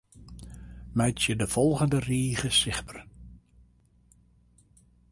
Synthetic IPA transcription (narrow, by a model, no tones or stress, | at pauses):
mɛjtjədəv̥ɔlˠɣəndəriːɣəsɪχbər